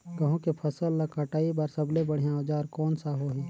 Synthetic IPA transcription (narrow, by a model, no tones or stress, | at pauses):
ɡɐɦõkepʰəsəlːakʰaʈaːibaɾsɐblebəɽ̤ijãoːd͡ʒaːɾkɔːnsaɦoːɦiː